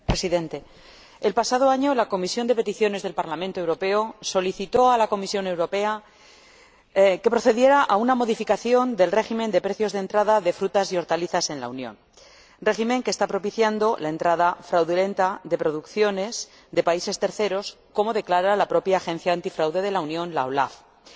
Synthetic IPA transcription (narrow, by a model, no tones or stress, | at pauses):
pɾe̞siðẽ̞nt̪e̞ː | lpasaðo̞aɲo̞lako̞misjo̞nd̪e̞pe̞t̪iθjo̞ne̞zðelpaɾlamẽnt̪oe̞wɾo̞pe̞o̞so̞liθit̪o̞alako̞misjo̞ne̞wɾo̞pe̞a | ke̞pɾo̞θe̞ðje̞ɾaʔaunamo̞ðifikaθjo̞nd̪e̞lre̞ximẽnd̪e̞pɾe̞θjo̞zðent̪ɾaðaðe̞fɾut̪asio̞ɾt̪aliθase̞nla̰unjo̞̰n | re̞ximẽ̞ŋkeːst̪apɾo̞piθjand̪o̞lae̞nt̪ɾaðafɾawðule̞nt̪aðe̞pɾo̞ðukθjo̞ne̞s | ðe̞paise̞st̪e̞ɾθe̞ɾo̞s | ko̞mo̞ðe̞klaɾalapɾo̞pjaːxẽ̞nθjaːnt̪ifɾawðe̞ðe̞launjõ̞nla̰o̞la̰f